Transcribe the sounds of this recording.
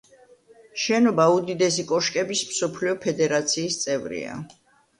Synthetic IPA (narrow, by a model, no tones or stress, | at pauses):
ʃɛnɔbaud̪id̪ɛsikʼɔʃkʼɛbismsɔpʰliɔpʰɛd̪ɛɾat̪sʰiːst̪sʼɛvɾḭa̰